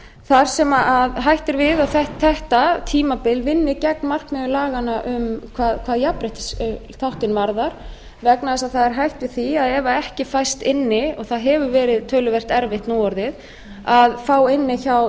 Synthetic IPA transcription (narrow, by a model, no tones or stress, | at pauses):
θaɾ̥sɛmaʔaðɦajht̪ɪɾvɪðawθɛht̪ʰθɛht̪at̪ʰiːmapɪlvɪnːɪcɛk̚nmar̥kmɛðʏlaːɣanaʔʏmkʰvaːðkʰv̥aːðjapɾɪht̪sθawht̪ɪnvaɾðaɾ̥ | vɛknaðɛsaðθaðɛɾ̥ɦajht̪vɪðθiaðɛvaɛhcɪfajst̪ɪnːɪɔɣθaðɦɛvʏvɛːɾɪðt̪ʰːœːlʏvɛr̥t̪ɛɾvɪht̪nuɔɾðɪð | aðfaːwɪnːɪçaw